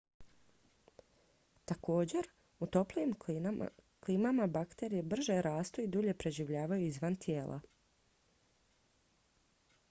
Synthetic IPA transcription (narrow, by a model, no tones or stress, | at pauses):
t̪ako̞ːd͡ʑe̞ɾ | ut̪o̞pliim | klimamabakt̪e̞ɾijebr̩ʒeɾaːst̪oid̪uʎe̞pɾe̞ʒiʋʎaːʋajuizʋant̪ʰjeːlʔa̰